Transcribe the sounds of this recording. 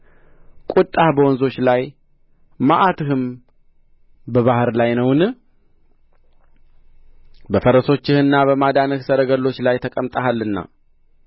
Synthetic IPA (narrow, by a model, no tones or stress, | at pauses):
kʼut̪ʼːahbəwɔnzo̞t͡ʃlaj | maʔat̪ʰɨhɨm | bəβahɨɾlajnəwnɨ | bəfəɾəso̞t͡ʃːɪhɨnːaβəmad̪anɨhsəɾəɡəlːo̞t͡ʃːlajt̪ʰəkʼəmt̪ʼaɦalːɨnːa̰